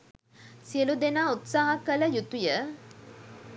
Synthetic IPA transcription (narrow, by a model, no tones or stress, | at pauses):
siəlud̪enaːut̪saːɦɐkələjut̪ujə